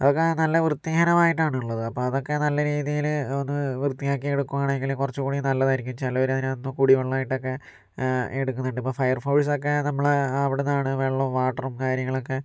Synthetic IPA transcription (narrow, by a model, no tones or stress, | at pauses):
ɐðo̞kːenɐlːɐʋrɨt̪ːihɐnɐmaːjiʈːaːɳuɭːɐðɨɐpːo̞ːɐðo̞kːe̞nɐlːɐɾiːðijilonːɨʋrɨt̪ːijaːkːieɽukːuʋaːɳeŋɡilukurɐt͡ɕːukuːɽinɐlːɐðɐiɾikʲːumt͡ɕɐlːɐʋɐɾmɐðinonːɨkuɽiʋɐɭːɐaːjiʈːo̞kːe̞ | eɽukːunːɐɳɖɨipːoːfɐjɐrfoːɭs̬o̞kːe̞nɐmːɐɭɐʋiɽenːaːɳɨʋeːɭːɐoʋaːʈːɐrumkaːɾjɐŋːɐɭo̞kːe̞